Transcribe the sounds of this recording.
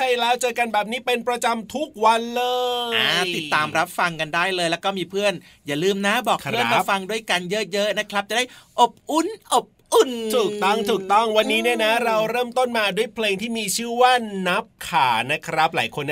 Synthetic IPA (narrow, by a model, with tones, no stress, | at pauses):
t͡ɕʰa˧jlɛː˦˥wt͡ɕɤː˧ka˧nbɛː˨˩p̚niː˦˥pe˧npɾa˧t͡ɕa˧mt̪ʰu˦˥k̚wa˧nlɤː˧aː˧˩t̪i˨t̪ːaː˧mɾa˦˥p̚fa˧ŋka˧ndaː˥˩jlɤː˧jlɛ˦˥wkɔː˥˩miː˧pʰɯ˥˩ən | jaː˨˩lɯː˧mna˦˥bɔː˨˩kpʰɯ˥˩ə˦ɾa˦˥pfa˧ŋdu˥˩əjka˧njɤ˦˥jɤ˦˥ʔna˦˥kʰɾa˦˥p̚t͡ɕa˨˩da˥˩jʔo˨˩p̚ʔu˧˩nʔo˨˩p̚ʔu˨˩nt̪ʰuː˨˩k̚t̪ɔ˥˩ŋt̪ʰuː˨˩k̚t̪ɔ˥˩ŋwa˧nːiː˦˥ni˥˩ɐna˦˥ɾa˧wɾɤː˥˩mt̪o˥˩nmaː˧du˥˩əjpʰleː˧ŋt̪ʰiː˥˩miː˧t͡ɕʰɯː˥˩waː˥˩na˦˥p̚kʰaː˩˦na˦˥kʰɾa˦˥p̚la̰ː˩˦jkʰo˧nː